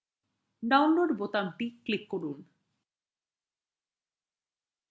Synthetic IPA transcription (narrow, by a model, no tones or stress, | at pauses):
ɖawnloɖbot̪amʈiklikːoɾun